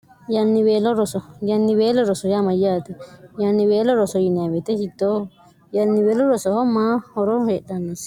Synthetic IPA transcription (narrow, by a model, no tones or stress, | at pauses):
janĩβeloɾosojanĩβeloɾosojamãjat̪ijanĩβeloɾosojinĩãβet̪eʃit̪o | janĩβeloɾosohomãoɾoheʔt̪anĩs